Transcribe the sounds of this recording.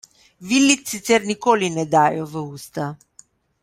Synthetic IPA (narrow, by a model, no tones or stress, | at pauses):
ʋilːit̪ːit̪sɛɾnikoːlinɛd̪aːjɔʋəuːst̪a